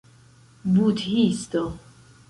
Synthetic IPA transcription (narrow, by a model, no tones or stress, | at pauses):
but̪ʰhist̪ɔ